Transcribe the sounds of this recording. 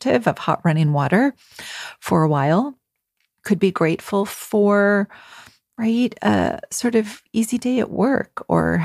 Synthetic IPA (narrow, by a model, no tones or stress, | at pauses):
tɪvʌv̥hɑ̰ʔ̚ɹʌ̃ñɪ̃ŋwɔɾə˞ | fə˞əwaɪlˠ | kʰɨd̚biɡɹeɪtfl̩ˠfə˞ | ɹaɪtɨ̰sɔɹɾʌvizideɪɨ̰ʔwɜ̰˞kʰə̰˞